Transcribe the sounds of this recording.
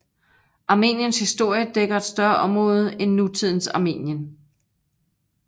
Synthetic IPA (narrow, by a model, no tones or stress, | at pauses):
ʔɑ̈me̝̰ːnjənshisd̥o̝ɐ̰jəd̥eɡ̥ɐe̝d̥sd̥ɶɐʔɒ̽mʁɔ̽ːð̞̩ˠenːut͡sʰið̞̰ˠn̩sɑ̈me̝̰ːnjən